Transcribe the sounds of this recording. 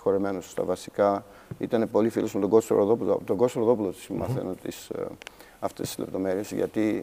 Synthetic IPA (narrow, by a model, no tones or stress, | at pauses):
xoɾime̞nosst̪ɐ̰vɐsikɐ | ḭt̪ɐne̞po̞lifilosmet̪oɡo̞st̪oɾoðo̞pulɐ̰pot̪oɡost̪oɾoðo̞pulot̪i̥smɐ̰θe̞̰not̪is | ɐft̪e̞st̪i̥zlḛpt̪o̞me̞ɾiesʝɐ̰t̪i